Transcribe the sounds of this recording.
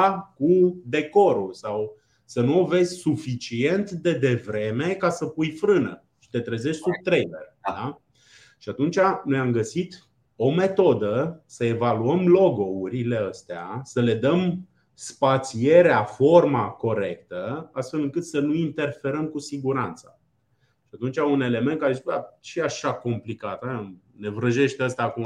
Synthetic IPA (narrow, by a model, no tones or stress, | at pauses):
akud̪e̞ko̞ɾulsaw | sənuo̞ve̞zʲsufit͡ʃie̞nt̪d̪e̞d̪e̞vɾe̞me̞kasəpujfɾɨnə̰ | ʃi̥t̪e̞t̪ɾəze̞ʃʲsub̚t̪ɾejlḛrd̪a | ʃiat̪unt͡ʃano̞jamɡəsit̪ | o̞me̞t̪o̞d̪əsəe̞valuəmlo̞ɡo̞uɾile̞əst̪ea̰səle̞d̪əm | spat̪sie̞ɾeafo̞rmako̞ɾe̞kt̪əast̪fe̞lɨŋkɨt̪sənuint̪e̞rfe̞ɾəmkusiɡuɾant̪sa | ʃiat̪unt͡ʃaune̞le̞ment̪kaeziat͡ʃiaʃako̞mplikat̪aa | ne̞vɾəʒe̞ʃt̪eəst̪aːkuma